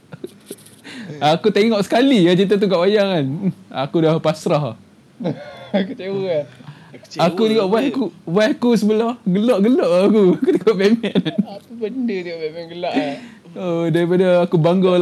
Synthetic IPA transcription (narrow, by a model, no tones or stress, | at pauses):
kut̪eŋɔʔsə̥kaliat͡ʃit̪at̪̬ukaʔajaŋan̩akudahpasɾaɦ | kut͡ʃewə | akudiɡaʔbakubahkus̬əbəlahɡəlɔʔɡəlɔʔakukut̪eŋɔʔbemɛnakubəndədiɔʔbemɛnɡəlaʔ | odaɾipadaːkubaŋɡɔ